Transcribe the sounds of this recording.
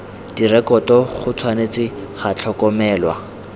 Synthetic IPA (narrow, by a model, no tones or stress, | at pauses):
d̥irɛkɔtɔχʊt͡sʰwanet͡sɪχat͡ɬʰɔkɔmɛːlwa̰